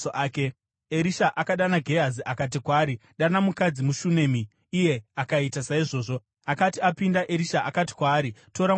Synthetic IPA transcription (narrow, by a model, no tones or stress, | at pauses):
oʔaːke | eɾiʃaʔakaɗanaɡʱe̞ɦaziʔakat̬ikwaːɾiɗanamukad͡zimuʃune̞miː | je̞akaitasaiʐo̞ːʐo̞ | akatiapindaʔeɾiʃaʔakati̥kwaːɾito̞ɾa